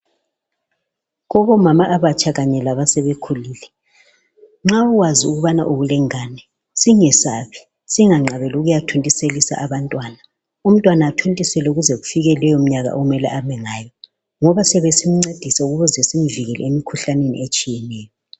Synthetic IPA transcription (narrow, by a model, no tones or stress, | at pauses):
ɣɔβɔmamaʔːβat͡ʃʼʰaɣaɲɛlaβasɛβekʰuliːlɛ | ŋ͡ǁauwaziuɣuβana̰ʔoβulɛŋaːnɛ | siŋɛsaβi̥ | siŋaŋ͡ǁʱaβɛluɣujatʰontʼiselisa̰ʔaβantʼwaːna | um̩tʼwanaːtʰontʼisɛlɛuɣuzeɣufiɣɛlɛjɔm̩ɲaɣa̰ʔoumɛlɛ̰ʔamɛŋaːjɔ | ŋɔβasɛβesim̩ŋ͡ǀed̥ʱisauɣuβɔzesim̩viɣɛlɛemikʰuɬanenḭet͡ʃʼijɛnɛːjɔ